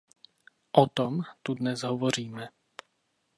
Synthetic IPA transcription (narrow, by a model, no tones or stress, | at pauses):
ʔɔt̪ɔmt̪ud̪nɛzɦɔvɔɾ̝iːmɛ